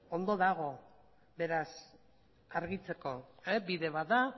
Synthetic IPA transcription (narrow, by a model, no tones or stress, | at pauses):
o̞nd̪o̞ðaɣ̞o̞ | be̞ɾas | aɾɣit͡se̞ko̞ebiðe̞βaða